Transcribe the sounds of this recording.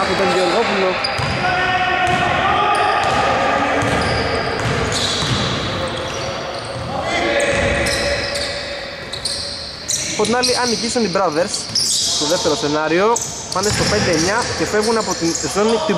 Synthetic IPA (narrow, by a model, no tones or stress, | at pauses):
ɐpot̪ond̪ioðofulo | ɐpo̞t̪inɐliʔɐnicisunibɾɐðeɾs | st̪o̞ðe̞ft̪e̞ɾose̞nɐɾio̞ | pɐnest̪o̞pe̞nd̪e̞ːɲɐce̞fe̞vɣunɐpot̪izo̞nit̪i